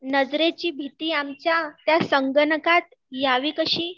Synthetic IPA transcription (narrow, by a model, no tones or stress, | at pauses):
nəd͡zɾet͡ɕiːbʱit̪iːamt͡ɕjat̪jasəŋɡənəkat̪̚ | jaʋikəɕĩː